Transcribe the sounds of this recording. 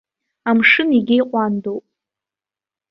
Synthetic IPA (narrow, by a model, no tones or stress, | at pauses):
amʂɨniɡʲɪjqʷʼandowpʼ